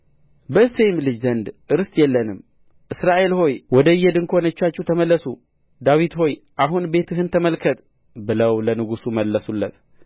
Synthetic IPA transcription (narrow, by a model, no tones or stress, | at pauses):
bəɨsejmlɨd͡ʒzənd̪ʔɨɾɨst̪jɛlːənɨm | ʔɨsɾaʔe̞lho̞jwɔd̪əjːɛd̪ɨŋkʰo̞nət͡ʃːat͡ʃːɛht̪ʰəməlːəsu | d̪awit̪ho̞jʔaɦunbe̞t̪ʰɨɦɨnt̪ʰəməlkʰət̪ʼ | bɨləwlənɨɡusuməlːəsulːət̪̚